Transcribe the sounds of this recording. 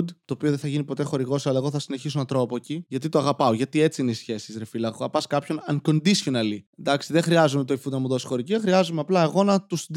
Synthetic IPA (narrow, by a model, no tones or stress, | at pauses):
d̪t̪o̞ːpioðẽθɐʝinipo̞t̪e̞xo̞ɾiɣo̞sɐlɐe̞ɣo̞θɐsine̞çisonɐt̪ɾopoeciʝɐt̪it̪oɐɣɐpɐo̞ʝɐt̪ie̞t͡siineisçe̞sizɾefilɐɣoɐpɐskɐpço̞nɐŋko̞nd̪isçonɐlind̪ɐksiðexɾiɐzume̞t̪oifud̪nɐmuðo̞si̥xo̞ɾiciexɾiɐzumeɐplɐeɣo̞nɐt̪usd̪